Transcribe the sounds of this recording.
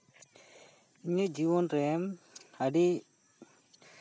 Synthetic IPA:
iɲəd͡ʒiβɔnɾɛmhaɖi

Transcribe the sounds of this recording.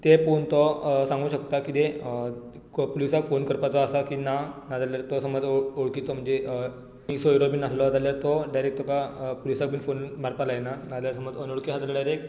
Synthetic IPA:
t̪efont̪ɔsãŋɡuːɕəkt̪akit̪e | polisakfonkəɾpat͡sɔasakinanad͡zaljaɾt̪ɔsəmɔd͡zoɽkit͡sɔm̤əɳd͡ze | isoiɾobiːnaslɔd͡zaljaɾt̪ɔɖajɾek̚t̪ɔkapolisak̚bʱiːnfonmaɾpalaenanad͡zljaɾsəmɔd͡zənoɽkiɦad͡z̪əlɽjaɾek

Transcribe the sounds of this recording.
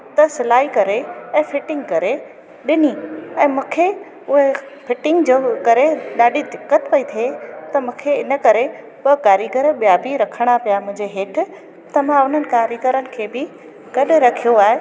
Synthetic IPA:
t̪ɐsɪlaːikɐɾeɛ̃ːfɪʈɪ̃ŋɡkɐɾe | ɗɪniɛ̃ːmũːkʰe | ʊɦe | fɪʈɪ̃ŋɡd͡ʑoːkɐɾeɗaːɖʱid̪ɪkːət̪pɐit̪ʰiet̪ɐmũːkʰeɪnə̆kɐɾe | pɐkaːɾjəɡəɾɓijabiɾɐkʰəɽ̃apijamʊ̃ɦɪ̃ɲd͡ʑeɦeːʈʰɪ̆ | t̪ɐʋ̤ãʊn̤ənɪ̆kaːɾjəɡəɾənɪ̆kʰeːbɪ | ɡ̥ɐɗʊɾɐkʰijoaːɦe

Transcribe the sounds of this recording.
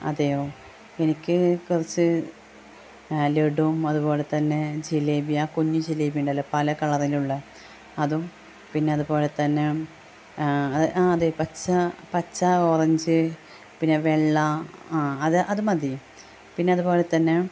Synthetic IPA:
ɐ̰ðɐjooː | enikʲːɨkurɐt͡ɕːɨ | leɽumɐðubo̞ːle̞t̪ɐnːe̞d͡ʑilebijaːkuɲːud͡ʑilejbiɳɖɐlːopɐlɐkɐɭɐriluɭːɐ | ɐðum | pinːe̞ɐðubo̞ːlet̪ɐnːe | ɐðɨʔaːɐðejopɐt͡ɕːɐpɐt͡ɕːakurɐɲd͡ʑɨ | pinːeʋeɭːɐ | ɐðɨʔɐðumɐðijum | pinːe̞ɐðubo̞ːlet̪ɐnːe

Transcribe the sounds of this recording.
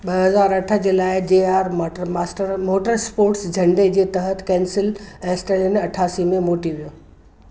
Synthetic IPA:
ɓəɦəzaːɾəʈʰəd͡ʒɪlaːed͡ʑeaːɾmaːsʈəɾmoːʈəɾspoːɾʈsd͡ʒʱəɳɖed͡ʑet̪əɦət̪ʰkɛ̃ːnsɪlɛ̃sʈelneəʈʰaːsimẽmoːʈiʋjoː

